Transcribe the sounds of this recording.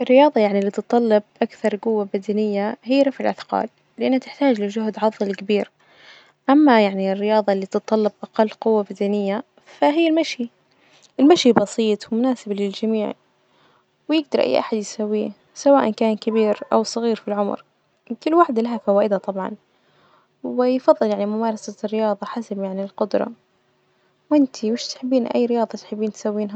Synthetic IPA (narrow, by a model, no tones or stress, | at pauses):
ʔɪrːɪjɑːðˤɑjaʕnilːiːt̪ɨt̪ˤːɑlːɪb̚ʔakθɑɾˤqʊwːabad̪anɪjːaɦiːɾˤɑfʕɪlʔaθqɑ̰ːl | lɪʔanːhat̪ɪ̥ħt̪aːd͡ʒlɪʒʊhd̪ʕɑðˤːɨlkabiːɾ | ʔamːajaʕnirːɪjɑːðˤɑlːiːt̪ɨt̪ˤːɑlːɪbʔaqɑlːqʊwːabad̪anɪjːa | faɦɪːɪlmaʃi | ʔɪlmaʃibɑsˤiːt̪ˤwɪmʊnaːsɪblɪld͡ʒamiːʕ | wjɪɡ̚d̪ɑɾˤʔa̰jːʔa̰ħad̪jsawːiː | sawaːʔankaːnkabiːɾʔawsˤɨɣiːɾfilʕʊmɾ | kʊlːwaħd̪laɦafawaːʔɪd̪at̪ˤɑbʕɑ̰n | wɪjfɑðˤːɨljaʕnimʊmɑːɾˤɑsarːɪjɑːðˤɑħasabjaʕnilqʊd̪ɾˤɑ̰ | wʔɪnt̪ʰiwɪʃt̪ħɪbːiːnʔa̰jːɾɪjɑːðˤɑt̪ħɪbːiːnt̪sawːiːnɦa